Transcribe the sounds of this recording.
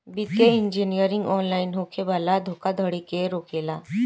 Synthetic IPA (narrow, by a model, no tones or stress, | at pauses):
bit̪̚keiɲd͡ʑinijəɾiŋɡɔnlainɦokʰebalad̪ʱokad̪ʱəɽikeɾokela